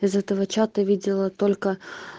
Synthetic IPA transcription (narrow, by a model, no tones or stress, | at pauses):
ɪzɛt̪əvət͡ɕat̪əvʲidʲɪlˠət̪olʲkə